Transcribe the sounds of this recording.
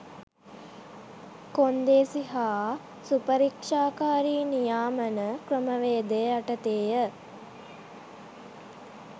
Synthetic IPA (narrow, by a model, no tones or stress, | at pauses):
kond̪eːsiɦaː | supəɾikʂaːkaːɾiːnijaːmənəkrəməʋeːd̪ejəaʈət̪eːjə